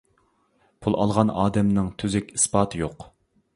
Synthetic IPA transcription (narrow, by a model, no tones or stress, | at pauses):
pʰulˠɑ̰lˠʁɑnɑːd̪ɛmnɨŋt̪ʰyzɪkʲi̥spɑːt̪ʰɨjoq